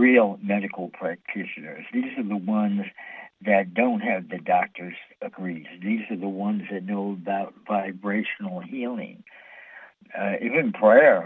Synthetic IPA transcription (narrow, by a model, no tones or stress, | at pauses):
ɹilˠmɛɾɨkl̩ˠpʰɹ̥æk̚tʰɪʃɨnə̰˞zðizə˞ðəwʌ̃nzðɨt̚d̥õʊ̃nt̚ɦɨvðɨdɑk̚tʰə˞z̥ɨɡɹiz̥ðizə˞ðəwʌ̃nzðɨt̚ⁿnoʊbaʊt̚vaɪbɹeɪʃn̩l̩ˠhilˠɪ̰̃ŋ | ivɨ̃npʰɹ̥ɛɹ